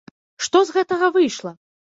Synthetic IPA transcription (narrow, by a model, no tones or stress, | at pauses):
ʂt̪ɔzɣɛt̪ɐɣɐvɨjʂlˠɐ